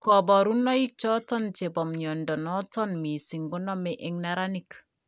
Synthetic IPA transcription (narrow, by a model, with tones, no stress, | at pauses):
kɔ˨bɔ˨ɾu˦nːɔ˦ji˦k̚t͡ʃɔ˦tɔ˦nt͡ʃe˨bɔ˨mɲɔ˨ndɔ˨nɔ˦tɔ˦nmi˨si˨ŋɡo˦nɔ˦mɛʔeŋna˦ɾa˦ni˦k